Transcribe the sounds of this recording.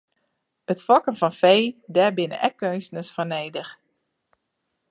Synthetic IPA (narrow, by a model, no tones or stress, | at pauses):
ətfɔkənfɔnfejdɛbɪnə̰ʔɛkʰːøːnstnəsfɔneːdəx